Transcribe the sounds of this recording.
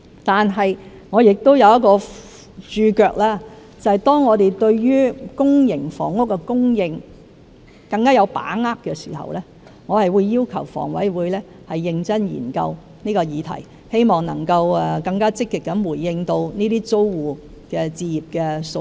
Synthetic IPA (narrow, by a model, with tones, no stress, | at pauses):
t̪aː˨nɦɐ˨j | ŋɔː˨˧jɪ˨k̚t̪o˥wjɐ˨˧wjɐ˥t̚kɔː˧ | t͡ʃyː˧kœː˧k̚laː˥ | t͡sɐ˨hɐ˨jt̪ɔː˥ŋːɔː˨˧t̪e˨jt̪ɵ˧ɥɥyː˥kʊ˥ŋjɪ˨˩ŋfɔ̰ː˨˩ŋʊ˥k̚ːɛ˧kʊ˥ŋjɪ˧ŋ | kɐ˧ŋkaː˥jɐ˨˧wpa̰ː˨˥ŋaː˥kkːɛ˧sḭː˨˩hɐ̰˨˩wlɛː˥ | ŋɔː˨˧hɐ˨jwuː˨˧jːiː˥wkʰɐ˨˩wfɔ̰ː˨˩ŋwɐ̰˨˥jwuː˨˧jlɛː˥ | hɐ˨jːɪ˧ŋt͡sɐ˥njḭː˨˩nkɐ̰˧w | niː˥kɔː˧jiː˨˧t̪ʰɐ̰˨˩j | he˥jmɔː˨ŋnɐ̰˨˩ŋkɐ˧wɛ˨˩kɐ˧ŋkaː˥t͡sɪ˥kːɪ˨kːɐ˨˥nwuː˨˩jːɪ˧ŋt̪o˧wniː˥t̪iː˥t͡so˥wwuː˨ | kɛː˧t͡siː˧jiː˨˩p̚kɛː˧so˧